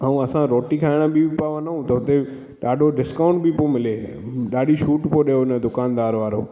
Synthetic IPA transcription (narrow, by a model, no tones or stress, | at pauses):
aːũɐsãɾɔːʈikʰaːɪɽ̃əbʱipaʋanaɦũt̪ɐɦʊt̪e | ɗaːɖʱoɖɪskaːʊ̃ɳʈbɪpomɪle | ɗaːɗiʃuːʈpoɗɐjoɪnəd̪ʊkaːnd̪aːɾʋaːɾo̰ː